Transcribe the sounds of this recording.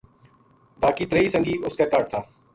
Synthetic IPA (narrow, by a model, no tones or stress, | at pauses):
baːkiːt̪ɾəiːsə̃ŋɡiːʊskakaːʈ̚t̪ʰaː